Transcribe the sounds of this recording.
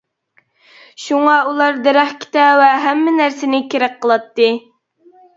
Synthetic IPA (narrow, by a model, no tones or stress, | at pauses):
ʃuŋɑulˠɑɾd̪ɛɾæχkʲʰi̥t̪ɛwɛɦæmːɪnæɾsɪnɪkʲeɾɛk̚qʰːəlˠɑt̪ːɨ